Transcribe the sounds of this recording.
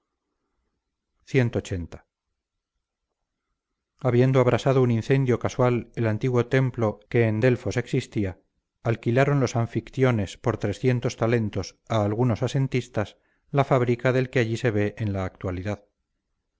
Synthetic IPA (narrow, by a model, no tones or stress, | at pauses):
θje̞nt̪oːt͡ʃe̞nt̪ḁ | aβje̞nd̪oaβɾʔasaðounĩnθe̞nd̪jo̞kaswalelant̪iɣwo̞t̪e̞mplo̞ke̞ːnd̪e̞lfo̞se̞ksist̪iaː | lkilaɾo̞nlo̞saɱfikθjo̞ne̞spo̞ɾt̪ɾe̞sθje̞nt̪o̞st̪ale̞nt̪o̞saːlɣ̞uno̞sase̞nt̪ist̪as | lafaβɾikaðe̞lkeaʝiseβ̞e̞ʔenlaːk̚t̪waliðað